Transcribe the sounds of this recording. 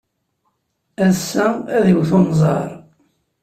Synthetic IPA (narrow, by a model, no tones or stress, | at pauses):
æsːææðiwθonzˤɑ̰ɾˤ